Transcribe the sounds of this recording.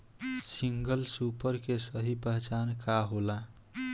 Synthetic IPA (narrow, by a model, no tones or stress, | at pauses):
siŋɡəlsupəɾkesəɦipəɦt͡ʃankaɦola